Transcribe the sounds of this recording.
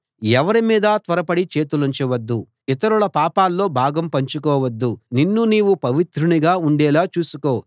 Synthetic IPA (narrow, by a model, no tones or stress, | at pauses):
ɛʋɐɾimiːd̪ɐt̪ʋɐɾɐpɐɽit͡ʃe̞ːt̪̬uluɲt͡ʃɐʋɐd̪ːu | it̪ɐɾulɐpaːpaːlːo̞ːbʱaːɡɐmpɐɲt͡ʃukɔːʋɐd̪ːuninːuniːʋupɐʋit̪ɾuniɡaːuɳɖɛːlaːt͡ʃuːsuko̞ː